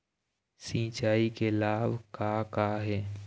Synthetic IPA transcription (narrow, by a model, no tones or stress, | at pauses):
sĩːt͡ʃaːikelaːbkaːkaːɦɛː